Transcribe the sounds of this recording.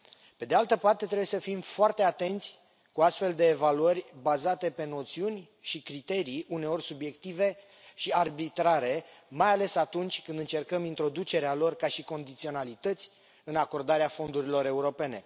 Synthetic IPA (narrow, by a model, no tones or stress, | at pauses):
pe̞d̪ealt̪əpart̪e̞t̪ɾebujesəfimfoart̪e̞at̪e̞nt̪sʲ | kuast̪fe̞ld̪e̞ːvaluərʲbazat̪e̞pe̞no̞t̪siunʲ | ʃikɾit̪e̞ɾiʔune̞o̞rʲsubje̞kt̪ive̞ | ʃiarbit̪ɾaɾe̞majale̞sat̪unt͡ʃʲkɨnd̪ɨnt͡ʃe̞rkəmint̪ɾo̞d̪ut͡ʃe̞ɾealo̞rkaʃiko̞nd̪it̪sio̞nalit̪ət̪sʲ | ɨnako̞rd̪aɾeafo̞nd̪uɾilo̞ɾe̞uɾo̞pe̞ne̞